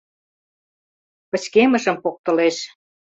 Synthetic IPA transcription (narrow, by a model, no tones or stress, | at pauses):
pə̆t͡ɕkemə̆ʒə̆mpok̚t̪ə̆leʃ